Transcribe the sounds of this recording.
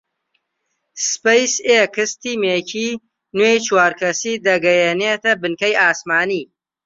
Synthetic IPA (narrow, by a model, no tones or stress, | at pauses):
spejsekʰɨst̪iːmeːcʰiː | nwejt͡ʃwaːɾkʰɐsiːd̪ɐɡɐjeːneːt̪ɐbɨnkɐjaːsmaːniː